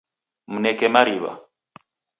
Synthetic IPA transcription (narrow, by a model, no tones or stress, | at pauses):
munɛkɛmaɾiβa̰